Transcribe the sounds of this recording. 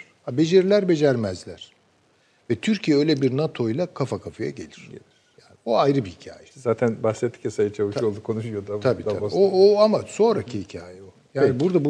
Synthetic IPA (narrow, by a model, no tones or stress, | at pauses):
abe̞d͡ʒeɾilʲæɾbe̞d͡ʒæɾmɛzlʲæɾ̥ | vɛt̪ʰyɾcʰijɛø̞jlʲebiɾnat̪ʰo̞jlˠakʰafakʰafaja̰ɟe̞̰lʲiɾ̥ɟelʲiɾjaːnioajɾɯbihicʰa̰ːjɛzaːt̪ʰænbaxsɛt̪ʰːicjasajat͡ʃʰavɯʃjolˠd̪ukʰonuʃujod̪at̪ʰabiːt̪aooamaso̞nɾacʰihicʰaːjɛojaːnibuɾd̪abu